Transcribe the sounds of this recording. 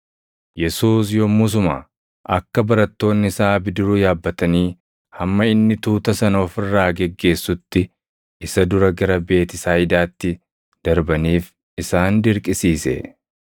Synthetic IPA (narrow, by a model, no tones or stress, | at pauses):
jɛsuːs̬joːmus̬ʊma̰ | ʔɐkːɐbɐɾɐt̪ːo̞ːnːɪsaːbɪd̪ɪɾuːjaːbːɐt̪ɐniː | hɐmːɐɪnːɪt̪uːt̪ɐsɐno̞ːfɪrːaːɡɛɡːe̞ːsːʊt̪ːɪ | ɪsɐd̪ʊɾɐɡɐɾɐbe̞ːt̪ɪsaːjɪd̪aːt̪ːɪ | d̪̥ɐɾbɐniːf | ɪsaːnd̪ɪɾkʼɪsiːsɛ̰